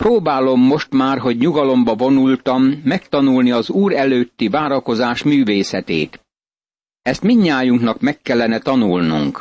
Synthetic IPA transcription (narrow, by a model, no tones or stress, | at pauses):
proːbaːlo̞mːo̞ʃt̪maːrɦo̞ɟɲuɡɒlo̞mbɒvo̞nult̪ɒmːɛkt̪ɒnulniɒzuːɾɛløːt̪ːivaːɾɒko̞zaːʃmyːveːsɛt̪ḛːt̪ | ɛst̪miɲːaːjuŋknɒkmɛkːɛlːɛnɛt̪ɒnulnṵŋk